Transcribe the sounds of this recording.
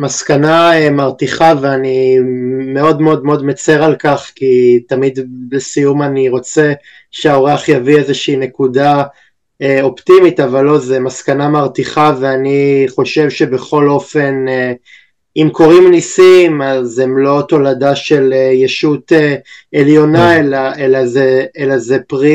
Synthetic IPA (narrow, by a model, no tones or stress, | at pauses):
maskanaemaʁt̪iχaveani | meo̞d̪meo̞d̪meo̞d̪met͡se̞ʁalkaχkit̪amid̪besijumaniʁo̞t͡se̞ | ʃeaoʁeaχjaviezeʃiːne̞kuda | o̞pt̪imit̪avalːo̞zemaskanamaʁt̪iχaveaniχo̞ʃe̞vʃe̞be̞χo̞lo̞fe̞n | imkʰo̞ʁimnisimazemlo̞to̞ladaʃe̞lejeʃut̪eeljo̞naelaelazeelazepʁi